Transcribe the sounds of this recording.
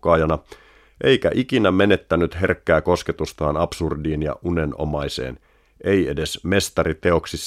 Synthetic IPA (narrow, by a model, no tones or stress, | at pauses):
ɑːjɑnɑ | ʔejkæ̰ʔikinæme̞ne̞t̪ːænyt̪ɦe̞rkːæːko̞sket̪ust̪ɑːnɑpsurdiːnjɑ̰ʔuneno̰mɑjse̞̰ːn | ʔe̞je̞de̞sme̞st̪ɑɾit̪e̞o̞ksis